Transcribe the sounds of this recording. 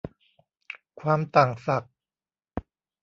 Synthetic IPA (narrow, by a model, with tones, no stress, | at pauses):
kʰwaː˧mt̪aː˨˩ŋsa˨˩k̚